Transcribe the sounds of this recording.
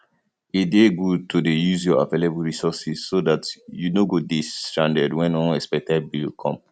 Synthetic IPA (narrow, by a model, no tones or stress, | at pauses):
ideɡutʰudejuzjɔa̰velebəlɹisɔsiz̥sodatjunoɡoditãndədwɛ̃nɔ̃nɛspɛk̚tɛd̚bilkʰɔ̰̃m